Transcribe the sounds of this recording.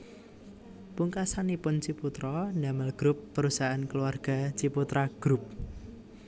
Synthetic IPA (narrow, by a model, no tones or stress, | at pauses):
puŋkasanipʊnt͡ʃiput̪ɾɔnaməlɡ̥ɾʊpːəɾusaankəluarɡ̥a̤t͡ʃiput̪ɾaɡ̥ɾʊp̚